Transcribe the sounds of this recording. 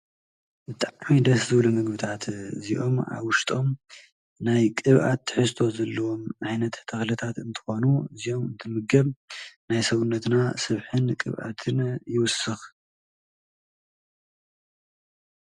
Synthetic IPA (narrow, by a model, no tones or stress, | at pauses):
bɨt̪ʼaʕmid̪ɐszɨβlumɨɡbɨt̪ʰat̪ziʔo̞ma̰βwʊʃt̪ʼo̞m | najkʼɨβʔa̰t̪ʰːɨ̥ħɨst̪ʰo̞zɐlːɐwo̞mʔajnɐt̪t̪ʰɐxlɨt̪ʰat̪ɨnt̪ʰɨ̥xo̞nuɨzio̞mɨnt̪ʰɨmɨɡɐβnajsɐβunːɐt̪nasɐβħɨnkʼɨ̰βʔa̰t̪ʰɨnjɪwʊsːɨx